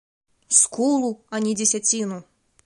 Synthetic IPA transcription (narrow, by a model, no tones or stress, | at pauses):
skulˠuanʲid͡zʲesʲat͡sʲinu